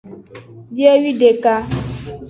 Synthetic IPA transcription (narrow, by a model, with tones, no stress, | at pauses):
de˦wi˦de˨ka˦